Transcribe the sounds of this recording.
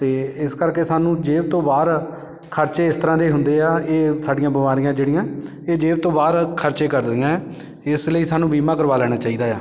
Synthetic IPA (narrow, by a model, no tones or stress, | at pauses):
t̪eːɪskəɾkeːsaːnũːd͡ʒeːbt̪õːbaːɾ | kʰəɾt͡ʃeːɪst̪əɾãːd̪eːɦʊnd̪eːaːeːsaːɖɪjãːbɪmaːɾɪjãːd͡ʒeːɽɪjãː | eːd͡ʒeːbt̪õːbaːɾkʰəɾt͡ʃeːkəɾd̪ɪãːɛː | ɪsləiːsaːnũːbiːmaːk̬əɾʋaːlɛːɽ̃aːt͡ʃaːiːd̪aːjaː